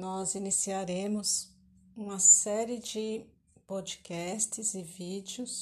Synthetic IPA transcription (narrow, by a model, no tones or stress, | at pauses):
nɔzinisiaɾẽmʊz | ũmɐsɛɾɪd͡ʒɪ | pod͡ʒikɛst͡ʃɪzɪvid͡ʒjʊs